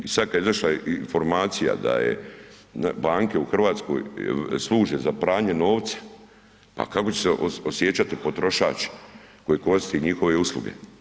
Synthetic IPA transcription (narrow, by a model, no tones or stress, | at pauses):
isad̪̚kad̪izaʃlainfo̞ɾmaːt̪sija̰d̪a̰jḛ | baːŋke̞uxr̩ʋaːt̪sko̰jslˠuːʒezapɾaːɲeno̞ːʋt̪sḁ | pa̰kako̞t͡ɕe̥seosjet͡ɕt͡ʃat̪ipo̞t̪ɾo̞ʃa̰ːt͡ʃe̥ | ko̞jeko̞ɾist̪eɲixo̞ʋe̞uslˠṵɡe̞̰